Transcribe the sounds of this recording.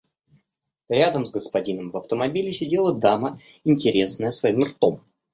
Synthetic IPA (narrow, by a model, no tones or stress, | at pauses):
ɾʲad̪əmzɡəspɐdʲinəmvɐft̪əmɐbʲilʲɪsʲɪdʲe̞lˠəd̪amə | ɪnʲtʲɪɾʲe̞snəjəsvɐimrt̪o̞m